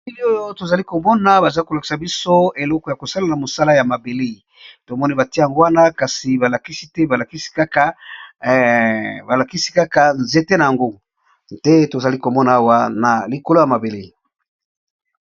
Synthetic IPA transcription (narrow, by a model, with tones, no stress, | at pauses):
i˦li˦o˦jo˦to˨za˨li˦ko˨mɔ˦na˦ba˨za˦ko˨la˨ki̥˨sa˨bi˦so˦e˨lɔ˦kɔ˨ja˨ko˨sa˦la˨na˨mo˨sa˦la˦ja˨ma˨be˨le˦i˨ | to˨mɔ˦ni˦ba˨ti˦ja˨ŋɡo˦wa˦na˦ka˨si˨ba˨la˨ki˦si˦tɛ˦ba˨la˨ki˦si̥˦ka˦ka˦ | ba˨la˨ki˦si˦ka˦ka˨nze˨te˦na˨ja˨ŋɡo˦ | d̥ɛ˦to˨za˨li˦ko˨mɔ˦na˨˦a˦wa˦na˨li˨ko˨lo˦ja˨ma˨be˨le˦i˨